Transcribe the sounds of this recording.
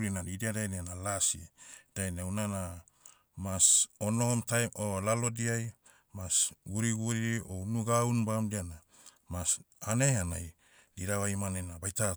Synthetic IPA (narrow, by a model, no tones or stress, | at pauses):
linadidiadajneanalasid̥ajneawnana | masonohomtajolalo̞diaj | masɡuɾiɡuɾio̞nuɡaunbamdiana | mas | anehana̰j | diɾaβajmanenabajta